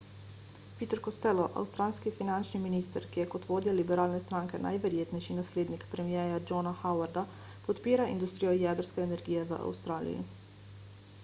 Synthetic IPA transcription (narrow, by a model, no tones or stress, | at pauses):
piːt̪əɾkɔst̪ɛlɔʔa̰wst̪ɾanskifinant͡ʃniminiːst̪əɾkijɛkɔt̪ʋoːd̪jalibɛɾaːlnɛst̪ɾaːŋkɛnʔa̰jʋɛɾjeːt̪nɛjʃinasleːd̪nikpɾɛmijɛːjad͡ʒɔnaxawaɾd̪a | pɔt̪piːɾaind̪ust̪ɾijɔjɛd̪əɾskɛːnɛɾɡiːjɛʋə̰ʔa̰wst̪ɾaːlḭjḭ